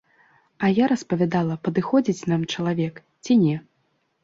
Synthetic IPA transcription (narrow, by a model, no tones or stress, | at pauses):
ɐjaɾɐspɐvʲad̪alˠɐpɐd̪ɨxɔd͡zʲit͡sʲnamt͡ʂɐlˠavʲɛk | t͡sʲinʲɛ